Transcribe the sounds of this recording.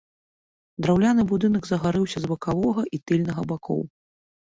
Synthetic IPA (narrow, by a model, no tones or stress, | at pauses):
d̪ɾawlʲanɨbud̪ɨnɐɡzɐɣaɾɨwsʲɐzbɐkavɔɣɐʔit̪ɨlʲnɐɣɐbakʰɔ̰w